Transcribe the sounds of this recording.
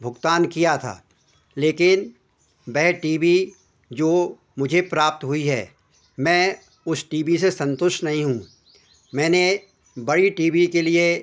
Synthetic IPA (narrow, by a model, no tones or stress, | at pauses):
bʱʊɡt̪aːnkijat̪ʰa̰ː | leːkɪn | bɛɦʈiːbi | d͡ʒoː | mʊd͡ʒʱepɾaːp̚t̪ɦʊiɦɛ̰ː | mɛ̃ː | ʊsʈiːbisesɐ̃nt̪ʊʃʈnɐɦĩɦũː | mɛ̃ːne | bɐɽiʈiːbikelie